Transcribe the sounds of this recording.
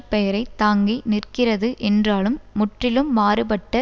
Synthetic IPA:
pɛjɐɾɐɪt̪aːŋɡinɪrkɪrɐðɯʔɛndraːlɯmːʊʈrɪlɯmːaːɾɯpɐʈːɐ

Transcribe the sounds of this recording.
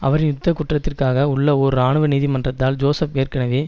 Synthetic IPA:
ɐʋɐɾɪjʊt̪ːɐkːʊʈrɐt̪ːɪrkaːɣɐʊɭːɐɔɾɯaːɳɯʋɐniːðimɐndrɐt̪ːaːld͡ʒoːsɐpeːrkɐnɐʋeː

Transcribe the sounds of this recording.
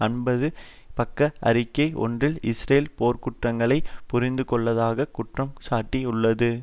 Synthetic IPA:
ɐnbɐðɯ | pɐkːɐɐ̰ɾɪkːɐɪʔɔ̰ndrɪlɪsɾeːlpoːɾkʊʈrɐŋɡɐɭɐɪpʊɾɪnd̪ɯkɔɭːɐðaːɣɐkʊʈrɐmsaːʈːiʊɭːɐðɯ

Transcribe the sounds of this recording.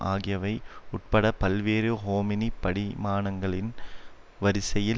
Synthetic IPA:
ʔa̰ːɣɪjɐʋɐɪʊʈ̚pɐɽɐpɐlʋeːɾɯɦoːmɪnipɐɽɪmaːnɐŋɡɐɭɪn | ʋɐɾɪsɐjɪl

